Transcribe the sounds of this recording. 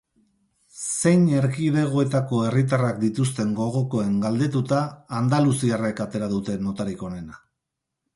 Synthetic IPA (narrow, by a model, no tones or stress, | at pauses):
se̞jne̞ɾɣiðe̞ɣ̞o̞e̞t̪ako̞e̞rit̪arak̚d̪it̪ust̪e̞ŋɡo̞ɣ̞o̞ko̞e̞ŋɡald̪e̞t̪ut̪aːnd̪alusiare̞kat̪e̞ɾaðut̪e̞no̞t̪aɾiko̞ne̞na